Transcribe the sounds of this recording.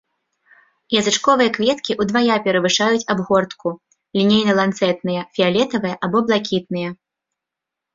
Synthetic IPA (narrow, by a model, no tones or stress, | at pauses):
jɐzɨt͡ʂkɔvɨjɐkvʲɛt̪kʲiʔud̪vajapʲɛɾɐvɨʂajut͡sʲabɣɔrt̪ku | lʲinʲejnɐlˠant̪sɛt̪nɨjɛfʲialʲɛt̪ɐvɨjɐʔabɔblˠakʲit̪̚nɨjɐ